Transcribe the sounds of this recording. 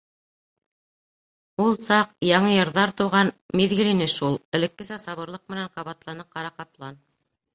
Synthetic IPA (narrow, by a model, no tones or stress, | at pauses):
ulˠsɑqjɑɴɤjɤ̆ɾðɑɾt̪ɤ̆wʁɑnmiðɡɘ̆linɘʃulˠɘ̆lɘ̆kːɘ̆sæsɑβɤ̆ɾlˠɤq̚mɘ̆næɴqɑβɑt̪lˠɑnɤp̚qɑɾɑqɑplˠɑn